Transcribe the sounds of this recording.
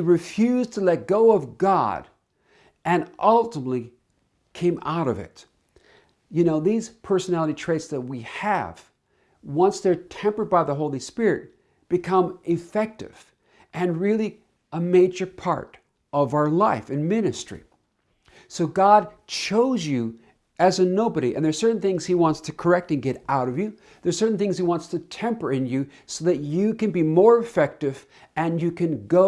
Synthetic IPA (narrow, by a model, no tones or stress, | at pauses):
iɹɨfjʉztʰəlɛt̚ɡ̥oʊʌvɡɑ̰ɾ | ɨ̃nʔʌlˠtəmətˡli | kʰẽɪ̃ma̰ʊɾʌvɪ̰t | jɨnoʊðiz̥pʰɜ˞sənælˠəɾitʰɹ̥eɪtsðɨt̚wiɨ̰v̥ | wʌ̃nsðə˞tʰɛ̃mpə˞d̚baɪðəɦoʊlˠispɪɹɨt̚ | b̥ɨkʰʌ̃mɨfɛk̚tɨ̰v̥ | ʔɨ̃nɹɪlˠi | əmeɪd͡ʒə˞pʰɑ̰ɹɾ | ʌvaʊə˞laɪfɨ̃nmɪ̃nɨstɹ̥ḭ | soʊɡɑd̚ | t͡ʃʰoʊzjɨ | ʔɨzɨnoʊbɨɾiʔɨ̰̃nðə˞sɜ˞ʔn̩θɪ̃ŋz̥hiwɑ̃ntstʰɨkʰə˞ɛk̚tɨ̃nɡɛɾaʊɾʌvjɨ | ðə˞sɜ˞ʔn̩θɪ̃ŋz̥hiwɑ̃ntstʰɨtʰɛ̃mpə˞ɨ̃njɨ | soʊðɨt͡ʃɨkɨ̃nbimɔɹɨfɛk̚tɨv | ɨ̃njɨkʰɨ̃nɡo